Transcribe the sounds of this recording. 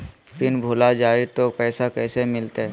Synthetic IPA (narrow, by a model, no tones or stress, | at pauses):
pɪnbʱoːlad͡ʒaːet̪opɛːsakɛːsemɪlt̪eɛ